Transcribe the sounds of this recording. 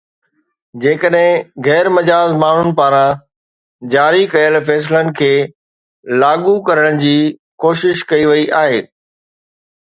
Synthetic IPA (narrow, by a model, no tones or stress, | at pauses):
d͡ʑeːkəɗɦɪ̃ɣɛːɾmɐd͡ʑaːzmaːɳ̤ʊnɪ̆paːɾã | d͡ʑaːɾikɐjəlfɛːs̬lənɪ̆kʰeː | laːɠukɐɾəɽ̃ɪ̆d͡ʑiːkoːʃɪʃkɐiʋɐiʔaːɦeː